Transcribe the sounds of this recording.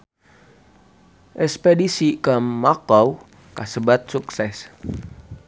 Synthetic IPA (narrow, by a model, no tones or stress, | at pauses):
ʔɛspedisikəmːakɔw | kasəbat̪̚suksɛs